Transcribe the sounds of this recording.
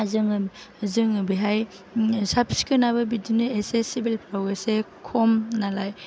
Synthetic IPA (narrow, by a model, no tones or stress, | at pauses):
zɯŋɯ | zɯŋɯbiɦaj | sapsi̥kɯnabɯbidinɯesesibilpʰɾaɡesekʰɔmnalaj